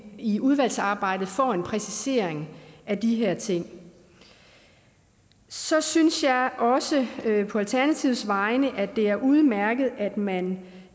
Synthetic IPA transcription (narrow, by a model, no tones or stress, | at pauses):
iuð̞ˠʋæl̰sɑ̈ːb̥ɑ̈ɪ̰d̥ð̩ˠfɒenpʰʁɛsise̝ɐ̰eŋʔæd̥iɦeɐ̰t͡sʰe̝ŋ̰ | sɒ̽synsjɑ̈ɪʔɒ̽səpʰɒ̽ælt͡sʰæɐnæt͡sʰiʊ̰sʋɑ̈ɪnəʔæd̥e̝æɐʔuð̞ˠmæɐɡ̥ð̞̩ˠæd̥mæn